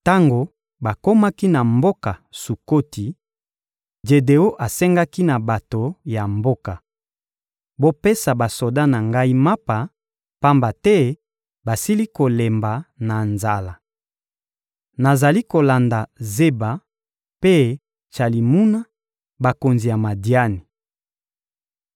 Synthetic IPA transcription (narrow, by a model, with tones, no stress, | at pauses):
ta˦ŋɡo˨ | ba˨ko˦ma˦ki˦na˨mbo˦ka˨su˨ko˦ti˨ | d͡ʒe˨de˨o˦ʔa˨sɛ˦ŋɡa˦ki˦na˨ba˨to˨ja˨mbo˦ka˨ | bo˦pe˦sa˨ba˨so˨da˦na˨ŋɡa˦i˦ma˦pa˨ | pa˦mba˨tɛ˦ | ba˨si˦li˦ko˨le˨mba˨na˨nza˨la˨ | na˨za˨li˦ko˨la˨nda˨ze˦ba˨ | pe˦ | t͡ʃa˨li˨mu˦na˦ | ba˨ko˨nzi˨ja˨ma˨di˨a˦ni˨